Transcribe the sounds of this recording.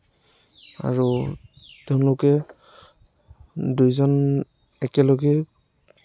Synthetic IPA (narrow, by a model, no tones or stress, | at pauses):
a̰ɹu | tɛʊ̃lʊkɛ | dujzɔn | ɛkɛloɡɛ